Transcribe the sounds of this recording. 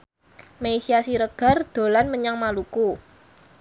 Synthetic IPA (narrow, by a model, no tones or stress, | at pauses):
meisiasiɾəɡ̥a̤rd̪̥o̤lanməɲaŋmaluku